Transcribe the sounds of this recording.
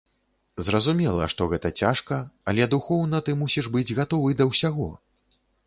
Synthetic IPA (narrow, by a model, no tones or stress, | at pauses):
zrɐzumʲɛlˠɐʂt̪ɔɣɛt̪ɐt͡sʲaʂkɐɐlʲɛd̪uxɔwnɐt̪ɨmusʲiʐbɨd͡zʲɣat̪ɔvɨd̪ɐwsʲaɣɔ